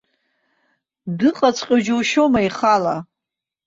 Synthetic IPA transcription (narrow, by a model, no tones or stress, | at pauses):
dɨqʼat͡sʷʰʼqʲʼod͡ʒowʃomaiχala